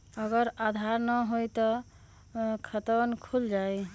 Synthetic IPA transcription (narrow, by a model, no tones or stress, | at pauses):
əɡəɾad̪ʱaɾnəɦojt̪ɔ | kʰət̪ənkʰuld͡ʒaj